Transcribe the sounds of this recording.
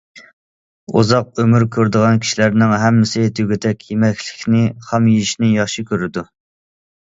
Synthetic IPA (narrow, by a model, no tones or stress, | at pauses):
ṵzɑq̚ømyɾkʲʰøɾd̪ɨʁɑnkʲʰi̥ʃilæɾnɪŋɦɛmːɪsɪt̪ʰyɡʲit̪ʰɛkʲjemɛkʲʰlɪ̥kʲnɪχɑmjiiʃnɪjɑχʃikʲʰøɾɪd̪u